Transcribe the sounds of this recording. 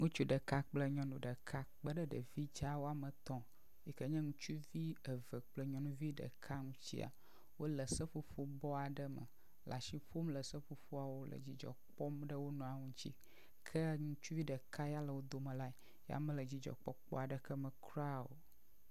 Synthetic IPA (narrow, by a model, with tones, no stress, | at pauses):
ŋũ˦t͡ʃu˦ɖə˨ka˦k͡plə˦ɲɔ̃˦nũ˨ɖə˨kʰa˦k͡pə˦ɖə˦ɖə˨vi˦d͡ʒa˦wo˦a˨mə˨t̪ɔ̃˨ | ji˨kə˦ɲɛ̃˦ŋũ˦t͡ʃu˦vi˦ə˨və˨k͡plə˦ɲɔ̃˦nũ˦vi˦ɖə̰˨kʰa˦ŋũ˦t͡ɕḭ˦a̰˨ | wo˦lə˨sə˦fu˦fo˦bɔ˦a˨ɖə˦mə̰˨ | lʔa˨ʃi˦ɸo˦mlə˨sə˦ɸu˨ɸo˦a˨wo˦lʔə̰˨d͡ʑi˨d͡ʒɔ̰˨k͡pɔ˦mɖə˦wo˦nɔ̃˨a˨ŋũ˦t͡ɕi˦ | kʰə˦ŋũ˦t͡ʃu˦vi˦ɖə˨kʰa˦ja˦lə˨wo˦d̪o˦mə̃˨la˦e˨ | ja̰˦mə̃˦lə˨d͡ʑi˦d͡ʒɔ̰˨k͡pɔ̰˦k͡pɔ̰˦a˨ɖə˦kʰə˦mə˨kɾa˦o̰˨